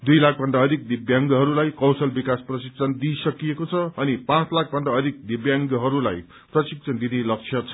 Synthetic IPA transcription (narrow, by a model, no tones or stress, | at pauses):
d̪ujlak̚ʰbʱʌnɖ̪aʌd̪ʱik̚d̪ibjaŋɡɦʌɾulajkʌwsʌlbikasprʌsik̚t͡sʰʌnd̪isʌkijekot͡sʰʌʌnipãt͡slak̚ʰbʱʌnɖ̪aʌd̪ʱik̚d̪ibjaŋɡʌɦʌɾula̰j | prʌsik̚t͡sʰʌnd̪inelʌk̚t͡sʰjʌt͡sʰʌ̥